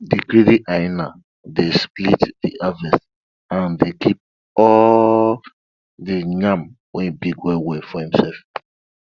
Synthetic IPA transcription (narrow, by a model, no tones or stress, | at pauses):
dikɹidiʔaɪna | desplitdiʔavɛst | ãndekip̚ | ɔ | diɲãm | wɛ̃nbiɡwɛwɛfɔhĩmsɛlf